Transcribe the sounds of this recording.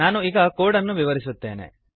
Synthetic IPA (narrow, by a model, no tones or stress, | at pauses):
aːnuiːɡɐkoːɽɐnːuʋiʋɐɾisut̪ːḛːnḛ